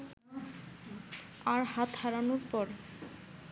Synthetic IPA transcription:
aɾɦat̪haɾanoɾpɔɾ

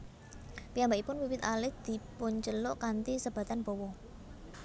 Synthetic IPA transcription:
pijambaipʊnwiwɪt̪alɪhd̪̥i̤pʊɲt͡ʃəlʊʔkant̪isəb̥ä̤t̪anbɔwɔ

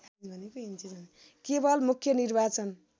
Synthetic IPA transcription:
bʱʌnekoɦint͡sizan | kebʌlmukʰjʌnirbat͡sʌn

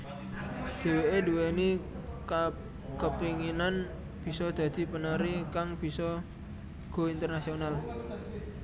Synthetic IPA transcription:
d̪̥e̤weʔeduweni | kəpiŋinan | b̥i̤sɔd̪̥a̤d̪̥i̤pənaɾikaŋb̥i̤sɔ | ɡ̥o̤int̪ərnasional

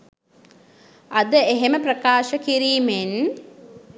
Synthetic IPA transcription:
ɐd̪əeɦeməprəkaːʃəkiɾiːmen

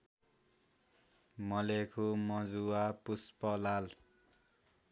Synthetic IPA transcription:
mʌlekʰumʌd͡zuwapuspʌlal

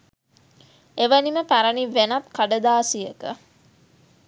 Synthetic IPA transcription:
eʋəniməpæɾɐniʋenat̪̚kaɖəd̪aːsijəkə

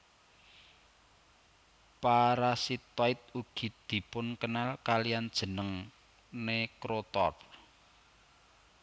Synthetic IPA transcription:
paɾasit̪ɔɪt̪̚uɡ̥i̤d̪̥i̤pʊnkənalkalijand̥ʒ̥ə̤nəŋ | nekɾot̪ɔr

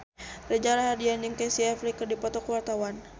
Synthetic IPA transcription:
rəd͡ʒalaɦadianjɨŋkɛsiɛflikɨrdipɔt̪ɔkwart̪awan

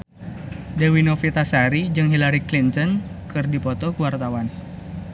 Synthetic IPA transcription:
dewinɔfit̪asaɾid͡ʒɨŋɦilaɾiklint̪ɔnkɨrdipɔt̪ɔkuwart̪awan

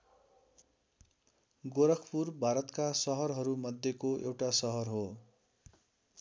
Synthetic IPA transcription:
ɡoɾʌkʰpurbʱaɾʌt̪kasʌɦʌrɦʌɾumʌd̪ʱjekoʔewʈasʌɦʌrɦo

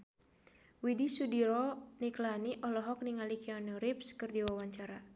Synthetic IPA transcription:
widisudiɾɔniklaniʔɔlɔɦɔk̚niŋalikiɔnɔɾipskɨrdiwawaɲt͡ʃaɾa

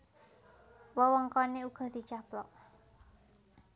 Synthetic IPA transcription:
wɔwɔŋkɔneuɡ̥ɔ̤d̪̥i̤t͡ʃaplɔʔ

